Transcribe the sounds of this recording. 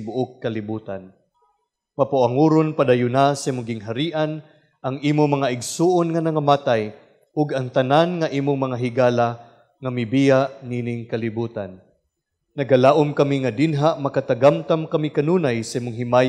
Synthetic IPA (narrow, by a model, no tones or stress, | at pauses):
bʊʔʊkːɐlɪbuːt̪an | mɐpʊʔaŋuːɾʊnpad̪ajʊnasɐʔimʊŋɡɪŋɦaɾiːʔan | ʔɐŋʔiːmʊŋmɐŋaɪɡsuːʔonŋɐnɐŋamat̪aj | ʊɡɐŋt̪ɐnanŋɐʔiːmʊŋmɐŋaɦɪɡaːla | ŋɐmɪbijaʔniːnɪŋkɐlɪbuːt̪anː | ɐɡalaːʔʊmkɐmiŋɐd̪ɪnɦaʔmɐkat̪aɡamt̪amkɐmikɐnuːnajsɐʔiːmʊŋɦɪmaːj